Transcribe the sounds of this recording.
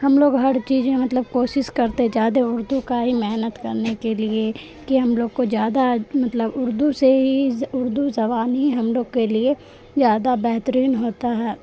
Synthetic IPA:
hɐmloːɡɦɐɾt͡ʃiːzmẽmɐt̪ləb̚koːʃɪʃkɐɾt̪ed͡ʒjaːd̪eʊɾd̪ukaɦimɛɦnət̪kɐɾnekelie | kiɦɐmloːɡ̚kozjaːd̪amɐt̪ləbʊɾd̪useɦiʊɾd̪uzɐbaːnɦiɦɐmloːɡkelie | zjaːd̪abɛɦt̪əɾiːnɦoːt̪aɦɛː

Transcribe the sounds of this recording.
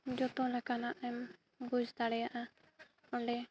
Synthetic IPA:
d͡ʒɔt̪ɔ̃lakanaʔɛm | ɡud͡ʒt̪aɽɛjaʔa | ɔɳɖɛ

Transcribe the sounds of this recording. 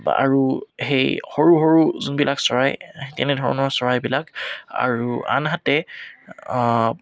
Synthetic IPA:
a̰ɹuhejxoɹuɦoɹuzunbilaksɔɹajtɛnɛdʱɔɹɔ̰nɔɹsɔɹajbilaka̰ɹua̰nɦatɛ

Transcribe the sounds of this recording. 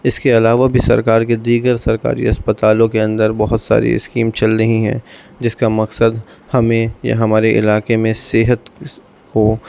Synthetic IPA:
ɪskeɐlaːʋabʱisɐ̰ɾkaːɾk̬ed̪iːɡəɾsɐɾka̰ːɾḭɐspət̪aːlõkeɐ̃nd̪əɾbɐɦʊt̪sa̰ːɾḭɪ̰skiːmt͡ʃɐlɾəɦĩɦɛ̰̃ː | d͡ʒɪskamɐksəd̪hɐmẽja̰ɦɐmaːɾeʔɪ̰laːkemẽseɦət̪ | ko

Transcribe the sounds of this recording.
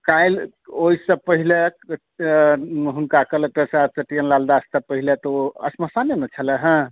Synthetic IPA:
kajl | oisə̃pəɦilek | ɦunkakələkʈesat͡ʃəʈijənlald̪ast̪əpəɦilet̪ɔoə̰sməsanenət͡ʃʰəlɛɦə̃

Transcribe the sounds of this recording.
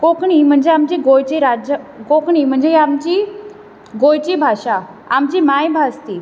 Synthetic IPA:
kokɽ̃im̤əɳd͡zeamt͡ɕiɡojt͡ɕiɾad͡ʑəkokɽim̤əɳd͡zeamt͡ɕi | ɡojt͡ɕibʱaʂa | amt͡ɕimajbʱast̪i

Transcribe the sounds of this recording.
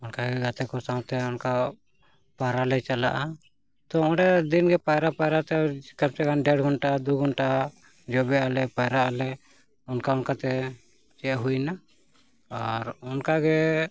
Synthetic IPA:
ɔnkaɡɛɡat̪ɛkɔsãwt̪ɛɔnka | paɾalɛt͡ʃala̰ʔa | t̪ɔɔ̃ɽɛd̪inɡɛpajɾapajɾat̪ɛakamt͡ʃɛɡanɖɛɽɡʱɔnʈad̪uɡɔnʈa | d͡ʒɔbɛalɛpajɾaʔalɛ | ɔnkaɔnkat̪ɛ | t͡ʃɛʔɦujna | aɾɔnkaɡɛ

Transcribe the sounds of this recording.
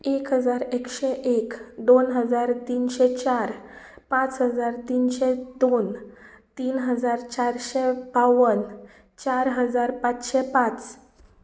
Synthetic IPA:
ekɦəd͡zaɾekɕɛʔekd̪onɦəd͡zaɾt̪iːnɕɛt͡ɕaɾ | pãt͡sɦəd͡zaɾt̪iːnɕɛd̪on | t̪iːnɦəd͡zaɾt͡ɕaɾɕɛbaʋən | t͡ɕaɾɦəd͡zaɾpat͡sɕɛpãt͡s

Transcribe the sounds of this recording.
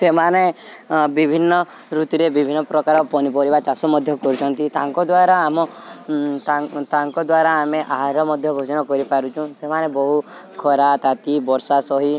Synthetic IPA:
semanebibʱinːɔ | ɾut̪iɾebibʱinːɔpɾɔkaɾɔpɔnipɔɾibat͡ʃasɔmɔd̪ʱjɔkɔɾut͡ʃʰɔnt̪it̪aŋkɔd̪waɾaːmɔ | t̪at̪aŋkɔd̪waɾaːmeʔaɦaɾɔmɔd̪ʱjɔbʱod͡ʒɔnɔkɔɾipaɾut͡ʃʰũsemanebɔɦukʰɔɾat̪at̪ibɔɾsasɔɦi

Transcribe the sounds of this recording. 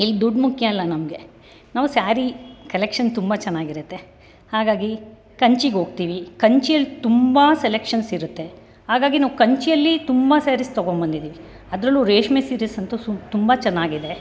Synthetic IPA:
ilːid̪uɖmukʰjɐɐlːɐnɐmɡe̞ | naːʋusaːɾikɐlekʂɐnt̪umbɐt͡ʃɛnːaːɡiɾut̪ːe̞ | haːɡaːɡi | kɐɲt͡ʃiɡɦoːɡ̚t̪iːʋikɐɲt͡ʃijɐlːit̪umbɐselekʂɐnsiɾut̪ːe̞ | haːɡaːɡinaːʋukɐɲt͡ʃijɐlːit̪umbɐsaːɾist̪oɡombɐnd̪id̪iːʋi | ɐd̪ɾɐlːuːɾeːʂmesiːɾisɐnt̪ut̪umbɐt͡ʃɛnːaːɡid̪e̞

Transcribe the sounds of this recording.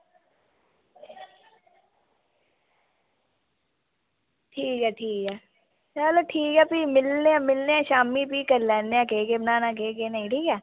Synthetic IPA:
ʈʰiːkɦɛːʈʰiːkɦɛː | sɛaləʈʰiːkɛːpimɪlneɛ̃ːmɪlneɛːʃaːmipikəɾlɛːneãkeːkebənaːnãk̬eːkenɐĩʈʰiːkɛː

